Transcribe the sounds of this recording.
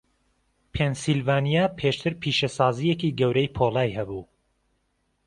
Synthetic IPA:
pʰensilvaːnijapʰeːʃt̪ʰɨɾpʰiːʃɐsɑːzijekiɡɐwɾɛjpʰolaːjhɐbuː

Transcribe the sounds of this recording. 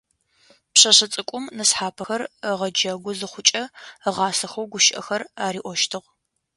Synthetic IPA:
pɕɐɕɐt͡sʼɨkʷʼʊmnɨsħaːpʰɐxɐrəʁɐd͡ʒɐɡʷʊzɨχʷʊt͡ʃʼɐəʁɑːsɐxɐwɡʷʊʃʔɐ̰xɐraːɾiːʔʷɔʃtʰɨʁʷ

